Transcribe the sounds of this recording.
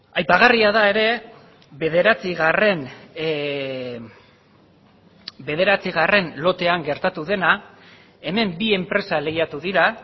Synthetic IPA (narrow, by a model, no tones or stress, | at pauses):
ajpaɣ̞ariaðae̞ɾe̞ | βe̞ð̞e̞ɾat͡siɣare̞n | be̞ð̞e̞ɾat͡siɣare̞nlo̞t̪e̞aŋɡe̞ɾt̪at̪uðe̞na | e̞me̞mbie̞mpɾe̞sale̞jat̪uðiɾa